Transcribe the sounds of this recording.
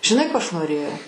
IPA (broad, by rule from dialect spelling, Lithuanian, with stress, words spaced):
ʒʲɪˈnɐɪ ˈkoː ˈɐʃ noːˈrʲeːjɛʊ